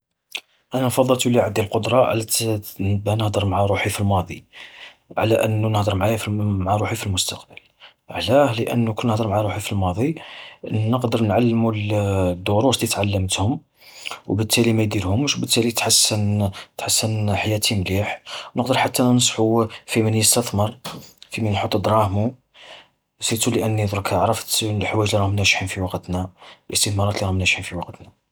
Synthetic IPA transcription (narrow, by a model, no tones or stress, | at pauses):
ʔænænfɑd̪ˤːəlt̪uliʕad̪ilqʊd̪ɾˤɑʕlæ | bænəhd̪əɾˤmʕaɾˤuħifilmɑd̪ˤḭ | ʕlæʔənːunəhd̪əɾmʕajfimʕaɾˤuħifilmʊst̪ɑqbəl | ʕlæhləʔə̰nːukʊnːəhd̪əɾmʕaɾˤuħifilmɑd̪ˤi | nəqd̪əɾˤnʕalːmuld̪ːuɾˤuslit̪ʕalːəmt̪hʊm | wbət̪ʰːælimæjd̪iɾhʊmʃbət̪ːælit̪ħasːənt̪ħasːənħajæt̪ʰimliħwnəqd̪əɾˤħat̪ːænsˤħufimənjəst̪əθməɾˤfimænħot̪ˤːd̪ɾˤɑhmu | sit̪uləʔənːid̪ˤɾkʰæʕɾˤəft̪lħwæjʒliɾˤɑhmnæʃħinfiwɑqt̪nælʔəst̪əθmɑɾˤɑt̪liɾˤɑhmnæʃħinfiwɑqt̪næ